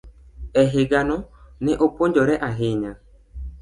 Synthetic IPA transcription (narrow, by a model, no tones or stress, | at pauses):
ɛɦeɡanɔnɪʔopoɲd͡ʒɔɾɛʔaɦeɲa